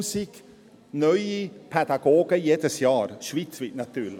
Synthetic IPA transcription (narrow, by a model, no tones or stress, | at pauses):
sik | nœʏipʰɛd̪aɡoːɡəjeːd̪əsjɑːɾʃviːt̪t͡sviːt̪nat̪yːlə